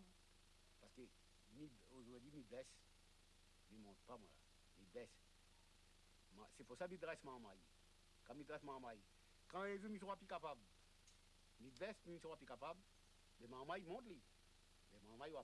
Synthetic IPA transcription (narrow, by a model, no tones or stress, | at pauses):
b | pasə̥kø | mi | oʒɔɛd̪imidɛs | mimɔ̃t̪̚pamwa̰la̰ | mibɛs | mãsɛpuʁsamid̪ʁɛsmãmaj | kãmid̪ʁɛsmãmaj | kãevymisɔ̃papykapab | mid̪lɛsmiisɔ̃papikapabː | ɛmãmajmɔ̃t̪li | mɛmãːmajwa